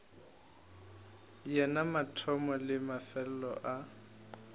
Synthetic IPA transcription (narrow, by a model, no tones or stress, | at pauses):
jɛnamatʰɔmɔlɪmafɛl̩lɔʔa